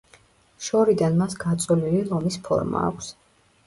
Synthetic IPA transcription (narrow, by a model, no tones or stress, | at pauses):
ʃɔɾid̪anmasɡat̪sʼɔlililˠɔmispʰɔ̰ɾma̰ːkʷʰs